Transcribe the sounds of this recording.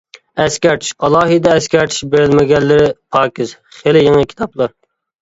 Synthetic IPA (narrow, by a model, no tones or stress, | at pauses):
ɛskʲɛɾt̪ʰi̥ʃɑlˠɑːɦɨd̪ɛɛskʲɛɾt̪ʰi̥ʃbeɾɪlmɪɡʲɛlːɪɾɪpʰɑːkʲɪz | χelɪjeŋɨkʲʰi̥t̪ʰɑplˠɑɾ